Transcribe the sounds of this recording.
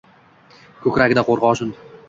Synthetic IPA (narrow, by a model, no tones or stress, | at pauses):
kʰɵkʲɾaɡʲɪd̪aqʰoɾʁɒʃʊn